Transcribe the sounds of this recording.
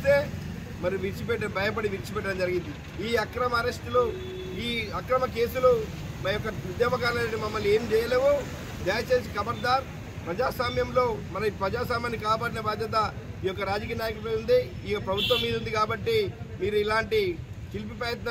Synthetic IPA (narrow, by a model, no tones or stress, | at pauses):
t̪e̞ː | mɐɾijuʋiɾt͡ʃipɛʈːɐbʱɐjɐp̬ɐɽiʋiɾt͡ʃipɛʈːɐɽɐmd͡ʒɐɾiɡind̪i | iːɐkɾɐmɐːɾesʈulu | iːɐkɾɐmɐke̞ːsulu | mɐjɔkːɐʋud̪jɐːbɐkaːlɐnɐʈimɐmːɐle̞ːmt͡ʃɛːjɐle̞ːʋo | d͡ʒ̪ɐːjɐt͡ʃeːsikɐbɐɾd̪aːɾ | pɾɐd͡ʒaːsaːmjɐmlo̞ːmɐnɐipɾɐd͡ʒaːs̬aːmjaːnːikaːpaːɽinɐbaːd̪jɐt̪̬ɐ | iːjɔkːɐɾaːd͡ʒɐkijɐnaːjɐkuɾuleund̪iiːpɾɐbʱut̪ʋɐmːiːd̪und̪ikaːbɐʈːemiːɾuilaːɳʈi | tilp̬ipɾɐjɐt̪na